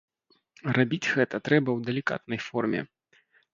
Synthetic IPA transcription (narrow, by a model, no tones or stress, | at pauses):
rabʲit͡sʲɣɛt̪ɐt̪ɾɛbɐwd̪ɐlʲika̰t̪nɐjfɔrmʲɛ̰